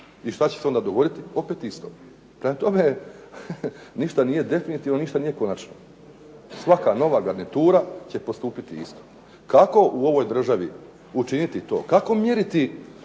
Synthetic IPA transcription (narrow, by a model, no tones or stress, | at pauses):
iʃt̪at͡ɕe̥seo̞nd̪aːd̪o̞ɡo̞d̪it̪io̞pe̞ːt̪ist̪o̞̰ | pɾemat̪o̞me | niʃt̪anije̞d̪e̞finit̪iʋno̞niʃt̪anije̞ko̞nat͡ʃno | sʋakano̞ʋaɡaɾnit̪uːɾat͡ɕepo̞st̪uːpit̪iḭst̪o̥ | kako̞ʔuo̞ʋo̞jd̪r̩ʒaʋḭ | ut͡ʃinit̪it̪o̞̰kako̞mje̞ɾit̪i